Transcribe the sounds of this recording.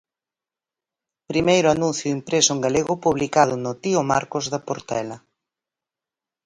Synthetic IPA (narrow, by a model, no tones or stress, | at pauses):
pɾimejɾʊanũn̟θjʊimpɾesʊeŋɡaleɣʊpuβlikað̞ʊnʊt̪iomaɾkozðɐpoɾt̪ɛ̰lɐ